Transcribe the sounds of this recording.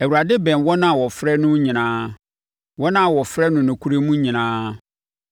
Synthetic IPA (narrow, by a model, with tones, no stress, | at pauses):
ɛ˨wu˨ɾa˨dɪ˦bɛ̃˨nwɔ˦nã˦˨wɔ˨fɾɛ˦nʊ̃˦ɲĩ˨nãː˦ | wɔ˦nã˦˨wɔ˨fɾɛ˦nʊ̃˨nʊ̃˨kʰu˦ɾe˦mũ˦ɲĩ˨nãː˦